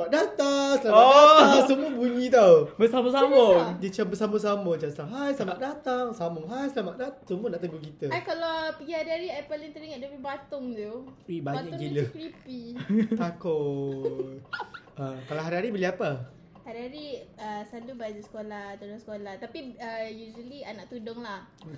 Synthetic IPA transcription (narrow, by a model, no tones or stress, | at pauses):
smaʔ̚dat̪aŋsəlaaaaŋsəmuəbuɲĩt̪awbəsaməsamədit͡ʃabəsaməs̬amət͡ʃaslaɦajsamat̪ʔ̚dat̪aŋsamʊŋɦajsəlamaʔdat̪asumũənaʔt̪əŋɡukit̪əkalapəɡihaɾiɦaɾiajpalɪŋt̪əɾiŋəʔ̪̚dapibat̪ʊŋt̪uibaɲaʔkɡiləkɾipit̪ako | əkalaɦaɾiɦaɾibəliapə | haɾiɦaɾiəsalubad͡ʒusə̥kolaht̪udʊŋsə̥kolaht̪apiəjuʒəlianaʔt̪udʊŋlah